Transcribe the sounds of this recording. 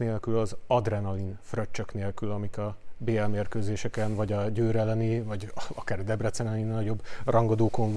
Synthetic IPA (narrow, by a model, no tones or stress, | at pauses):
neːlkylɒzɒd̪rɛnɒlinfrøt͡ʃːøkneːlkylɒmikɒbeːɛlmeːrkøːzeːʃɛkɛnvɒɟɒɟøːɾɛlɛnivɒɟɒkaːrd̪ɛbrɛt̪sɛnɛninɒɟo̞brʔɒŋɡod̪oːkoɱ